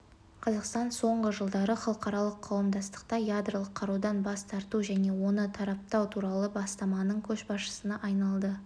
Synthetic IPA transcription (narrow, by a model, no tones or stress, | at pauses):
qʰɑzɑqst̪ɑnso̞ɴʁəʒəlˠd̪ɑɾəχɑlˠəqɑɾɑlˠəqʰːɑwəmd̪ɑst̪ə̥qt̪ɑjad̪rəlˠəqʰːɑɾud̪ɑnbɑst̪ʰɑɾt̪uʒæne̞wo̞nət̪ʰɑɾɑp̚t̪ɑwt̪ʰuɾɑlˠəbɑst̪ɑmɑnəɴkʲʰɵʃbɑsʃə̥sənɑʔɑjnɑlˠd̪ə